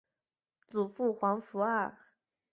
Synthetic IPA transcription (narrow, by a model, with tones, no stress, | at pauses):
t͡su˨˩fu˥˩xwɑ˧˥ŋfu˧˥a˥˩